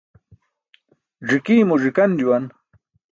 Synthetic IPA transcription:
ʐikiːmuʐikɐnd͡ʑuwan

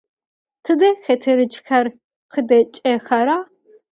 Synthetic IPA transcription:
tʰɨdɐxɐtʰɨɾɨt͡ʃxɐr | qədɐt͡ʃʼɐxɐɾaː

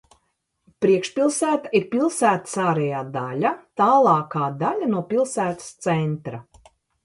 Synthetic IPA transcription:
pɾiɛkʃpilˠsæːt̪aiɾpilˠsæːt̪ḁsaːɾɛjaːd̪alʲat̪aːlˠɑːkaːd̪alʲanuɔpilˠsæːt̪ḁst̪sɛnt̪ɾa

